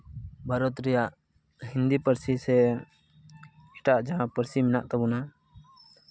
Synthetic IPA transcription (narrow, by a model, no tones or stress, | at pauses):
bʱaɾɔt̪ɾɛjaʔ | hind̪ipəɾsisɛ | ɛʈaʔd͡ʒaɦãpəɾsiminaʔt̪ɔbuna